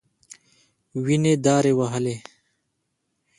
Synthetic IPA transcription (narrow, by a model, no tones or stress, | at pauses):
wined̪aːɾewɐɦəle